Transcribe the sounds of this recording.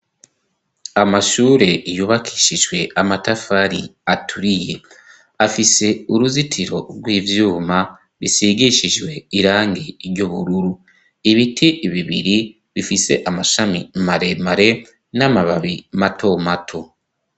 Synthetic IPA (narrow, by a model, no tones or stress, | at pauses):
amaʃuːɾe̞ijuβakʰi̥ʃiʒwe̞amatafaɾiatʰuɾije̞ | afise̞uɾuzitʰiɾo̞ɾɡwiːvjuːma | ɾisiɡiʃiʒwe̞iɾaːŋɡeiɾɟoβuɾuɾu | iβitʰiβiβiɾi | βifise̞̰ʔamaʃamimaɾe̞maɾe̞ | namaβaβimatʰo̞matʰo̞